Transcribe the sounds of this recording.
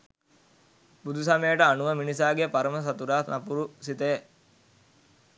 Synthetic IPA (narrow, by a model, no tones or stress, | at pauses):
bud̪usɐmejəʈəanuʋəminisaːɡepaɾəməs̬at̪uɾaːnapuɾusit̪eje